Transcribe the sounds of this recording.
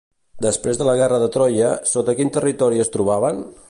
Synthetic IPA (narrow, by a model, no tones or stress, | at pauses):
d̪əspɾezðələɣɛrəðət̪ɾɔjəsot̪əkint̪ərit̪ɔɾiəst̪ɾuβaβən